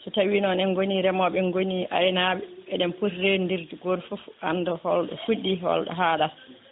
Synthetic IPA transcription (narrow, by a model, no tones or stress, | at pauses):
sɔtawiːnɔnɛnɡoniɾɛmɔɓɛnɡoniʔa̰ɾɛnaɓɛɛɗɛmpotɾendiɾtuɡoɾfufuanːdɔhɔlɗɔ̰fuɗːiɦɔ̰lɗɔ̰ɦaːɗal